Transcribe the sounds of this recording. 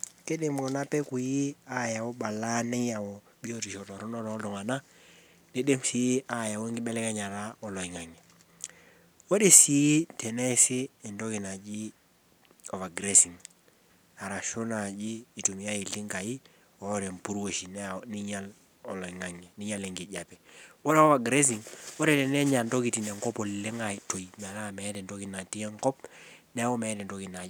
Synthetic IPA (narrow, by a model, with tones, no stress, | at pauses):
ke˦de˦mɡɔ˨na˦pɛ˦ku˨ji˦a˦ja˨wɔ˦ɓa˨la˦na˦ja˨ɔ˨ | bi˦oti˨ʃɔ˨tɔ˨ɾɔ˦nɔ˦ɾɔ˨˦dɔ˨ŋa˨na˦ | de˦de˦msi˨˦a˨ja˨wo˦ŋɡɪ˦bɛ˦lɛ˦ka˦ɲa˨ɾa˦ɔ˨lɔ˨i˨ŋa˨ŋɛ˨ | wo˦de˦˨si˨ji˦tɛ˨nɛ˦sɪː˦˨ndɔ˦ki˨na˨d͡ʒi˦ | ɔ˨va˨ɡɾɛsi˨ŋ | a˨ɾa˨ʃo˦na˨d͡ʒiː˦˨tu˨mi˨ja˦i˨lɪ˦ŋɡa˨ji˦ | ɔ˦ɾɛ˨mpu˦ɾwo˨ʃi˨nni˦ɲa˦l | ɔ˨lɔ˨i˨ŋa˨ŋɛ˨ni˦ɲa˦lɛ˨ŋɡi˨ɟa˨pɛwɔ˦ɾa˦ɔ˦va˨ɡɾe˦s̬i˨ŋwɔ˦ɾɛ˨tɛ˨nɛ˦ɲa˨ndɔ˦ki˨ti˨nɛ˨ŋkɔ˦pɔ˨le˦ŋa˨to˨imɛ˨la˦˨mɛ˨ɛ˦dɛ˨ndɔ˦ki˨na˨ti˦ɛ˦ŋkɔ˦pnɛ˦ɔ˦mɛ˨ɛ˦dɛ˨ndɔ˦ki˨na˨